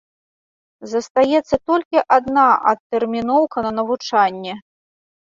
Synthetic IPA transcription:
zɐst̪ajɛt̪sːɐt̪ɔlʲkʲiʔad̪naʔɐ̰t̪ːɛrmʲinɔwkɐnɐnɐvut͡ʂanʲːɛ

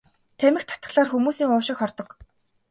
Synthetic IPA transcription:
t̪ʰæmʲɘ̆xt̪ʰḁt̪ə̆χɮaːrxumuːsiːŋʊːʃɪ̆kχɔrt̪ɞ̆k

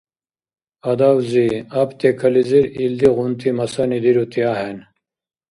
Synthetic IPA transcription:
ɐd̪awziɐpt̪ekʰɐliziɾild̪iɣunt̪ʰimɐsɐnid̪iɾut̪iaːɦen

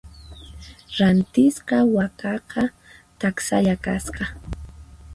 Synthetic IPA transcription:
ɾant̪ɪsqɑwakɑqɑ | t̪aksa̰ʎakasqɑ

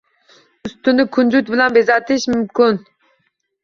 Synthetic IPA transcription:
ust̪unɨkʰund͡ʒut̪bɪlanbezɑːt̪iʃmumkun

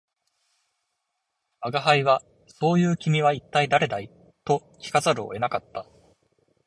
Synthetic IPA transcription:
aɡaɦaiβa | so̞ːjɯ̟ːkʲimʲiβ̞ait̪ːaid̪aɾe̞d̪ai | t̪o̞ | kʲi̥kazaɾɯ̟o̰e̞nakat̪ːa

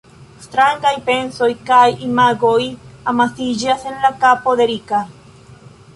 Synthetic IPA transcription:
st̪ɾaŋɡajpensojkajimaɡojamasid͡ʒasenlakapoðeɾika

